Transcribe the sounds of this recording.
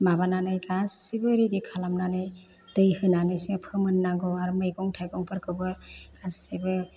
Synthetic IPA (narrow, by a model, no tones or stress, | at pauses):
mabananɯjɡasibɯɾidikʰalamnanɯj | d̥ɯjhɯnanɯjsipʰɯmɯnːaŋɡɔaɾmɯjɡɔŋtʰajɡɔŋpʰɯɾkʰɯbɯɡ̥asibɯ